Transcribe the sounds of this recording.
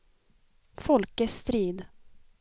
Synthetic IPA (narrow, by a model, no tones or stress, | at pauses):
fɔlkəst̪ɾiːd̪